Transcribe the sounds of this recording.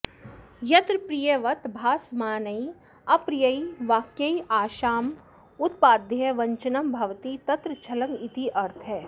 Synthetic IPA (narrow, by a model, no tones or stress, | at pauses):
jɐt̪ɾpɾijeʋɐt̪bʱaːsmaːnɐi | ɐpɾijɐiʋaːkjɐiaːʃaːm | ʊt̪̚paːd̪jɐʋɐ̃ɲt͡ʃənɐmbʱɐʋt̪it̪ɐt̪ɾət͡ʃʰɐlɐmit̪iʔɐɾt̪ʰɦɛː